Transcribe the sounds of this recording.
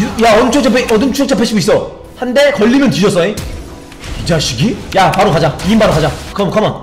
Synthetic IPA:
jaʌnt͡ɕʰokt͡ɕʰap̬ʰeʔʌdɯnt͡ɕʰot͡ɕʰʌpʰeɕ͈ʰibis͈ʌ | hande̞kʌʎːimjʌnt͡ɕiɕʰʌs͈ʌe | id͡ʑaɕʰiɡijapaɾokad͡ʑaiimbaɾokad͡ʑakʌmkaman

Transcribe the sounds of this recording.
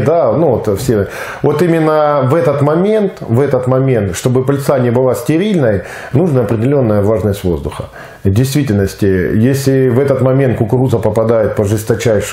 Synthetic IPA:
d̪anuvot̪fsʲevo̞t̪imʲɪnːəvɛt̪ət̪mɐmʲe̞nt̪vɛt̪ət̪mɐmʲe̞nt̪ʂt̪o̞bɨpɐlʲt̪sanʲɪjəbɨlˠasʲtʲɪɾʲilʲnəj | nuʐnəɐpɾʲɪdʲɪlʲo̞nːəjəvaʐnəsʲtʲvo̞zd̪ʊxə | vdʲɪjst̪vʲitʲɪlʲnəsʲtʲɪjesʲlʲɪvɛt̪ət̪mɐmʲe̞nt̪̚kʊkɾuzəpəpɐd̪ajɪt̪̚pəʐɨst̪ɐt͡ɕæjʂ

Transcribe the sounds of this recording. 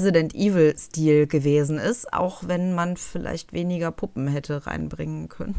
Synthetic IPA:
zidɛntʔiːvl̩stiːlɡəveːzn̩ɪstʔa̰ʊxv̥ɛnmanfɪla̰ɪçtv̥eːnɪɡɐpʰʊpm̩hɛtʰəʁa̰ɪnbʁɪŋənkʰœ̰nən

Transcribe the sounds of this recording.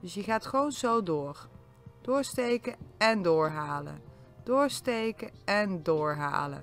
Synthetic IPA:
d̥ɵsjəχaːtχəʋownzowdʊːr | d̥ʊːɹstejkəɛndʊːɹɦaːlə̰n | d̥ʊːɹstejkəɛndʊːɹɦa̰ːlə̰n

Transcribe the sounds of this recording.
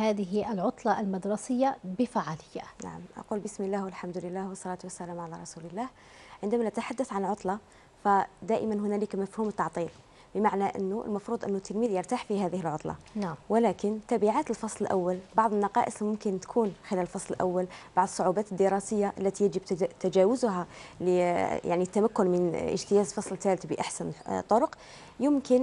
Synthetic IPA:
haːðɪɦiʔəlʕʊt̪ˤlɑʔlmad̪ɾˤɑsəjːabɪfaʕaləjːana̰ʕə̰mʔɑ̰qulbəsməlːæhwəlħamd̪ʊlɪlːæhwɑsˤːɑlɑt̪wəsːælæmʕalæɾˤɑsuləlːæh | ʕənd̪æmænʔæt̪ħad̪ːæθʕanlʕʊt̪ˤlɑ | fæd̪æʔɪmænɦʊnæləkmæfhumt̪ːɑʕt̪ˤiːl | bəmaʕnæʔə̰nːuə̰lmɑfɾuːd̪ˤʔənːʊt̪ːəlmiːd̪jəɾt̪aħfihæðəhəlʕʊt̪ˤlɑ̰wəlækənt̪æbiʕaːt̪əlfɑsˤləlʔa̰wːælbɑʕd̪ˤənːɑqɑ̰ʔəsˤmʊmkənt̪kʰunxɪlæləlfɑsˤləlʔa̰wːælb̥ɑʕd̪ˤəsˤːʊʕubæːt̪əd̪ːəɾˤɑsəjːaʔlːæt̪ijəʒəbt̪æd͡ʒæwʊzɦaləja̰ʕnit̪ːæmækːʊnmənʔə̰ʒt̪əjæzfɑsˤlt̪ælət̪bəʔaħsænt̪ˤːoɾʊq | jəmkən

